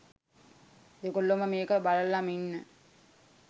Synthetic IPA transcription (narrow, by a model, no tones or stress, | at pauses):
d̪ekolːoməmeːkəbaləlːaminːə